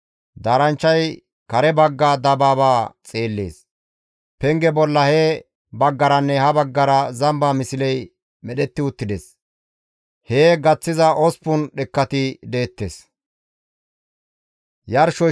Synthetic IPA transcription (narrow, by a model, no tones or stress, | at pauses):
d̪aːɾɐnt͡ʃːɐj | kɐɾɛbɐɡːaːd̪ɐbaːbaːt͡sʼe̞ːlːe̞̰ːs | pɛŋɡɛbɔlːɐhɛ | bɐɡːɐɾɐnːɛhɐbɐɡːɐɾɐzɐmbaːmɪsɪlɛj | mɛɗɛt̪ːɪʊt̪ːɪd̪es | heːɡɐt͡sːɪzɐʔɔspʊnɗɛkːɐt̪ɪd̪e̞ːt̪ːeːs | jɐɾʃɔ